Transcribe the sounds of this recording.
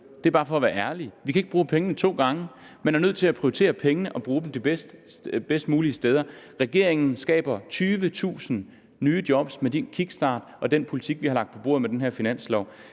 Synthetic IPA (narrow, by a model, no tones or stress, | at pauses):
d̥e̝ɐb̥ɑ̈ːfɒ̽ːʋæɐæɐliʋikʰæe̝ɡ̥əb̥ʁuːpʰeŋənət͡sʰo̝̰ːɡ̥ɑ̈ŋə | menæɐnøð̰ˠt͡sʰe̝læpʰʁ̥iot͡sʰe̝̰ːɐpʰeŋənəʔɒ̽b̥ʁuːd̥em̩d̥ib̥esd̥b̥esd̥muːliəsd̥eːð̞ˠɐʁɛɡ̥e̝ɐe̝ŋn̩sɡ̥ɛ̰ːb̥ɐt͡sʰyːʋət͡sʰṵːsn̩ | nyːd̥jɒ̽b̥smed̥inkʰiɡ̥sd̥ɑ̰̈ːd̥ʔɒ̽d̥enpʰo̝lit͡sʰiɡ̥ʋihɑ̈lɑ̈ɡ̥̚d̥pʰɒ̽b̥o̝ːɐðˠmed̥enɦeɐ̰finæn̰slɒʊ̰